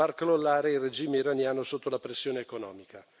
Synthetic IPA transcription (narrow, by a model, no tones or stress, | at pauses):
arklolːaːɾeired͡ʒiːmeiɾanjaːnosot̪ːolapɾesːjoːneːkonɔ̰ːmika